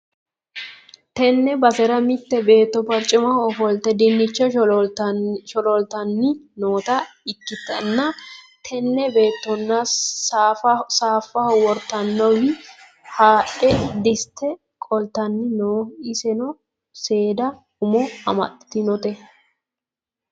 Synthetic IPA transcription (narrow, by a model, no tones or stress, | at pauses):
t̪ɛnːɛbɐsɛɾɐmɪt̪ːɛbe̞ːt̪ːɔpɐɾt͡ʃʼːɪmɐɔfɔlt̪ːɛd̪ɪnːɪt͡ʃːɛ | ʃɔlɔlt̪ɐnːɪnoːt̪ɐɪkːɪt̪ɐnːɐ | t̪ʰɛnːɛbe̞ːt̪ːɔnːɐ | saːfːɐhɔwɔɾt̪ːɐnːɐwjɪ | haːʔɛd̪ɪst̪ʰːɛ | kʼɔlt̪ːɐnːɪnoːɪsɛnɔ | se̞ːd̪ɐ | ʊmɔɐ̰mɐ̰t̪ːɪ̥t̪ɪnɔt̪ɛ